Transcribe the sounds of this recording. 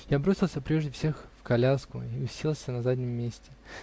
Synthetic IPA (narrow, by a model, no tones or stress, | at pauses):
jabɾo̞sʲɪlˠsʲəpɾʲe̞ʐd̪ʲɪfsʲe̞xfkɐlʲaskʊ̰iʊsʲilˠsʲənɐzadʲnʲɪmːʲesʲtʲɪ